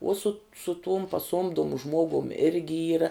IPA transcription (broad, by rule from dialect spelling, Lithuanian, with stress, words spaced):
uɔ sʊt sʊ tʊm pɐˈsuɔmdʊmʊ ˈʒmuɔɡʊm ˈɪrʲɡʲɪ ˈiːrɐ